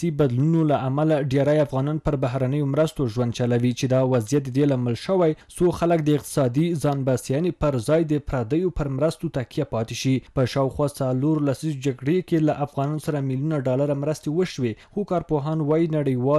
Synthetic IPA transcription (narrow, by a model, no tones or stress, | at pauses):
sibad̪lunolaʔamalaɖeɾajafɣɑnɑnpəɾbaɦɾanəjomɾəst̪oʒwand̪̚t͡ʃalawit͡ʃed̪ɑwazijat̪̚d̪əd̪elɑməlʃəwajsoxalək̚d̪əɪq̚t̪ɪ̥sɑd̪izɑnbasjɑnepəɾzɑjd̪əpɾad̪əjopəɾmɾəst̪ot̪akjapɑt̪eʃipəʃɑwxwɑt͡saloɾlasid͡ʒaɡɽekelaʔafɣɑnɑnosaɾamiljunaɖɑlaɾamɾəst̪ewəʃwexokɑɾpoɦɑnwɑjinaɽəjwɑ